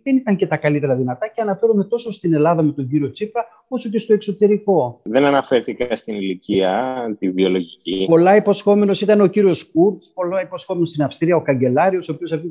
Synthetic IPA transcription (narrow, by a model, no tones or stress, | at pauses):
ðe̞nit̪ɐɲce̞t̪ɐkɐlit̪e̞ɾɐðinɐt̪ɐceɐnɐfe̞ɾume̞t̪o̞so̞st̪ine̞lɐðɐme̞t̪o̞ɲɟiɾio̞t͡sipɐ | o̞soce̞st̪o̞ekso̞t̪e̞ɾiko̞ðe̞nɐnɐfe̞ɾθikɐst̪iniliciɐt̪ivio̞lo̞ʝicipo̞lɐipo̞sxo̞me̞no̞sit̪ɐneo̞ciɾio̞skuɾt̪spo̞lɐipo̞sxo̞me̞nost̪inɐfst̪ɾiɐo̞kɐɲɟe̞lɐɾio̞sopiosɐi